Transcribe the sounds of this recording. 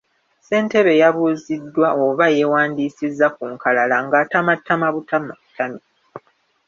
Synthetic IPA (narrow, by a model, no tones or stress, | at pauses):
se̞ːnte̞βe̞jaβuːzidːwaoβaje̞waːndiːsizːak̚uːŋkalalaŋɡaːtamatːamaβutamaβutʰami